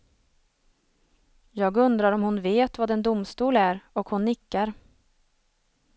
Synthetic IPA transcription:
jɑːɡɵnd̪ɾaɾɔmhʊnveːt̪vad̪ɛnd̪ʊmst̪uːlæɾɔkhʊnːɪkːaɾ

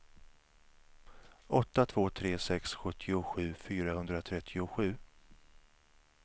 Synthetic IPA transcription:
ʔɔt̪ːat̪ʰv̥oːt̪ʰɾeːsɛksɧɵt̪ʰːɪʊɧʉ̟ːfyːɾahɵnd̪ɾat̪ʰɾɛt̪ʰːɪʊɧʉ̟ː

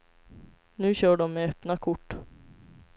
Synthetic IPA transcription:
nʉ̟ːɕœːɖɔmːɛɛpnakʰʊʈː

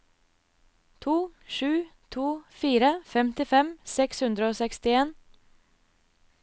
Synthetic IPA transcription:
t̪ʰuːʃʉːt̪ʰuːfiːɾəfɛmt̪ɪfɛmsɛkshʉnd̪ɾəoːsɛkst̪ɪeːn

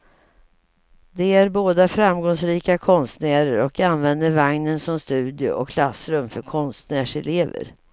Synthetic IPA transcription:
d̪ɛæɾboːd̪afɾamɡɔŋsɾiːkakʰɔnst̪næːɾəɾɔkanvɛnd̪əɾvaŋnənsɔmst̪ʉ̟ːd̪ɪʊ̰ʔɔkʰːlasːɾɵmfœɾkʰɔnst̪næːʂɛleːvə̰ɾ

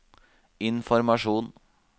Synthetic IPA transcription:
ɪnfɔɾmɑʂuːn

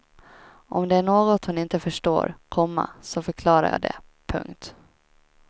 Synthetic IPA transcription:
ʔɔmd̪ɛæɳoːɡɔt̪hʊnɪnt̪əfœʂʈo̰ːɾkʰɔmːa̰sɔfœɾkʰlɑːɾa̰jɑ̰ːd̪ɛ̰pʰɵ̰ŋkt̪

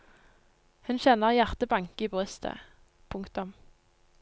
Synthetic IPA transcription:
hʉnçɛnəʁjæʁt̪əbɑŋkiːbʁʏst̪ʰə̰ | pʰʊŋkt̪ʊm

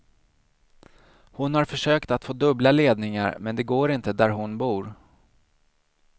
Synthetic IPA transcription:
hʊnhaɾfœʂøːkt̪at̪foːd̪ɵblaleːd̪nɪŋa̰ɾmɛnd̪ɛɡoːɾɪnt̪əd̪æɾɦʊnbuːɾ

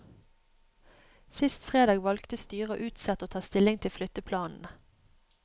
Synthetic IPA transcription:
sɪst̪fʁeːd̪ɑːɡʋɑlkt̪əst̪yːʁəo̰ːʔʉːt̪sɑt̪oːt̪ʰɑːst̪ɪlɪŋt̪ʰɪlflʏt̪əpʰlɑːnn̩

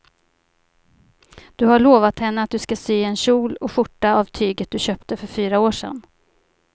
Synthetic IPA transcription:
d̪̥ɵhaɭoːvat̪hɛnːəat̪̚d̪ɵskasyːɛnɕuːlɔɧʊʈːaavt̪ʰyːɡət̪̚d̪ɵɕœːpt̪əfœɾfyːɾaoːʂɛ̰n

